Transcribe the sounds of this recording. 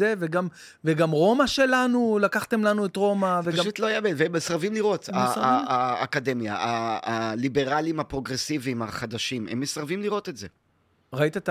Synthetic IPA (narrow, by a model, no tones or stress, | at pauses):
eveɡam | veɡamʁo̞maʃe̞lanulakaχte̞mlanuetʁo̞mavepaɡaʃut̪loajabedveemesʁavimliʁo̞t̪aaːkad̪e̞mja̰aːlibe̞ʁalimapʁo̞ɡʁesiviːmaχad̪aʃimḛmːesʁavimliʁo̞t̪e̞tze | ʁait̪at̪